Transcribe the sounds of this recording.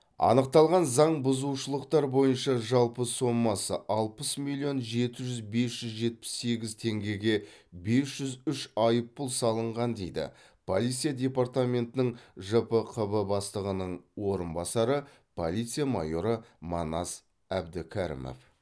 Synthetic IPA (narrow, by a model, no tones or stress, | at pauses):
ɑ̰nəq̚t̪ɑlˠʁɑnzɑɴbʊzuwʃəlˠəqt̪ɑɾbo̞jənʃɑʒɑlˠpəso̞mːɑsəʔɑlˠpəsmilʲio̞nʒe̞t̪ɪʒʏzbe̞sʒ̥ʏzʒe̞t̪̚pɪ̥sːe̞ɡʲɪzt̪ʰe̞ŋɡʲe̞ɡʲe̞be̞sʒ̥ʏzʏʃɑjəpːʊlˠsɑlˠəɴʁɑnd̪e̞jd̪ɪ̰ | pʰolˠijt̪sijad̪ʲe̞part̪amʲe̞nt̪ɪnɪŋʒəpəqʰəbəbɑst̪ˠəʁənəɴwo̞ɾənbɑsɑɾə | pʰo̰lˠijt̪sɨjamɑ̰jo̞ɾəmɑ̰nɑs | æbd̪ɪkʲʰæɾḭmo̰f